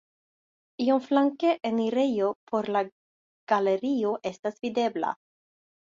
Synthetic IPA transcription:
ionflaŋkeʔeniɾejopʰoɾla | ɡ̥aleɾioʔest̪asv̥id̪ebla̰

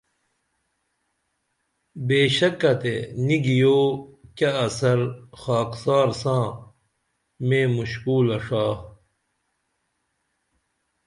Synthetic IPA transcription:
beːɕɐkːɐt̪ḛniɡijoːkɐːsɐɾxaːksaːɾsãː | mẽːmuɕkuːlɐʂaː

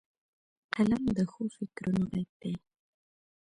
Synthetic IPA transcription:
qalamd̪əxofɪkɾunoɣat̪̚d̪e

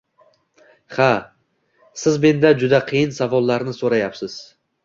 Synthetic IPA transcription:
ha | sɪzme̞nd̪ad͡ʒʊd̪aqʰɨjɪnsavɒlˠːaɾnɪsoɾajapsɪz̥

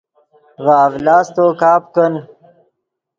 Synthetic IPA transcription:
vaːvlaːst̪oːkaːp̚kən

